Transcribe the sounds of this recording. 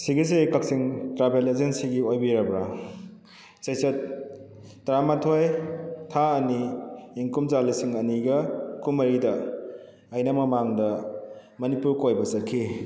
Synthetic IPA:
siɡis̬ekɐk̚siŋtɾabʰelezensiɡiojbiɾɐbɾa | sɐjsɐtː | ɾamatʰojtʰaɐniːŋkumzalisiŋɐniɡɐkumɐɾidɐː | jnɐmɐmaŋdɐ | mɐnipuɾkojbɐsɐkʰːi

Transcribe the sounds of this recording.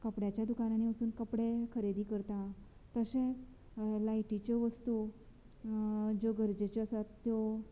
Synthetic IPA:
kəpɽjat͡ɕjad̪ukanañiməsuːnkəpɽekʰəɾed̪iːkəɾt̪a | t̪əɕẽt͡s | laiʈit͡ɕɔʋəst̪u | d͡ʑoɡəɾd͡ʑet͡ɕeəsat̪ːjo

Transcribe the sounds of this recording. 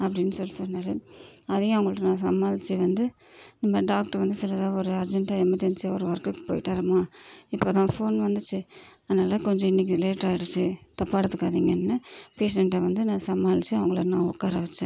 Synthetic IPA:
ɐpːɐɽɪnːɯsɔlːisɔnːaːɾɯɐðɐjʊ̃ɐʋɐŋɡɐɭɯkːɯnãːsɐmːaːlɪt͡ʃːɯʋɐnd̪ɯ | nɐmːɐɖaːk̚ʈɐʋɐnd̪ɯsɪlɐðãːɔɾɯɐɾd͡ʒɛɳʈaɛmːɐt̪ːɪnt͡ʃːɯɔɾɯʋɐɾkːɯkːɯ̥poːjɪʈːaːɾɐmaːɪpːoːt̪ãːfoːnʋɐnd̪ɯt͡ʃːɯɐðɐnaːlɐkɔɲd͡ʒɔ̃ɪnːɪk̬ːɯleːʈɾaːɪɽɯt͡ʃːɯt̪ɐpːaːɽɯt̪ːɯkːaːðiŋɡɐnːɯpeːs̬ɛɳʈɐʋɐnd̪ɯnãːsɐmːaːlɪt͡ʃːɯɐʋɐŋɡɐɭnãːɔkːaːɾɐʋɛt͡ʃːɯ

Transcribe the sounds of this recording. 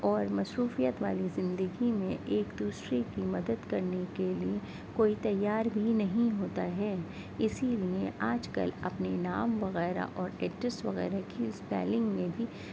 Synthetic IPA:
ɔːɾmɐsɾuːfijət̪ʋa̰ːlizɪ̃nd̪əɡimẽʔeːkd̪uːsɾekimɐd̪əd̪kɐɾnekelie | koːit̪ɐjːaːɾbʱinɐɦĩɦoːt̪aɦɛː | ɪsilieʔaːd͡ʒkɐ̰lɐ̰pnenaːmʋɐɣɛːɾa̰ʔɔːɾɛːʈɾɪsʈʋɐ̰ɣɛ̰ːɾakispɛ̰ːlɪ̃ŋɡmẽbʱi

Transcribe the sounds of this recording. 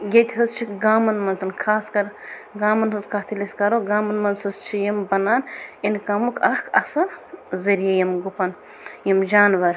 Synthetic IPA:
jet̪ʲʰɦɐzt͡ʃʰiɡaːmɐnmɐnsʰɐnkʰaːskɐɾɡaːmɐnɦuzkɐt̪ʰiliskɐɾoɡaːmɐnmɐnsɐzt͡ʃʰijɐmbɐnaːninkɐmukɐkʰɐsɐɾzɐɾjɐjɐmɡupɐn | jimd͡ʒaːnʋɐɾ

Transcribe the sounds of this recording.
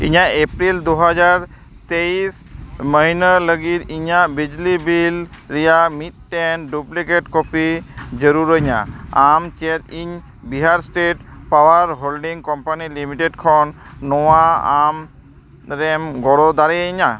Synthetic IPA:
ḭɲaepɾild̪uɦad͡ʒaɾ | t̪ejs | məɦinələɡit̪iɲabid͡ʒlibilɾijamit̪̚ʈɛnɖuplikeʈkopid͡ʒəɾuɾəɲa̰amt͡ʃɛt̪̚iɲ | biɦaɾsʈeʈpawaɾɦolɖiŋkɔmpanilimiʈeɖkʰɔnːɔwaam | ɾɛmɡɔɽɔd̪aɾɛiɲa

